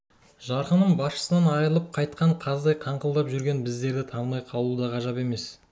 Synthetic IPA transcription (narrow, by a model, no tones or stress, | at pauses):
ʒɑɾqənəɴbɑsʃə̥sənɑnɑjəlˠəp̚qʰɑjt̪̚qʰɑɴqʰɑzd̪ɑjqʰɑɴqəlˠd̪ɑpʒʏɾɡʲe̞nbɪzd̪e̞ɾd̪ɪt̪ʰɑɴd̪ɑjqʰɑlˠud̪ɑʁɑʒɑpe̞me̞s